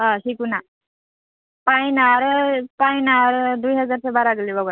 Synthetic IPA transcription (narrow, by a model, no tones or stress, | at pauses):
ɦãsikuna | pajnaɾpainaɾd̪ujɦəd͡zaɾt͡sabaɾaɡəlibəɡɾ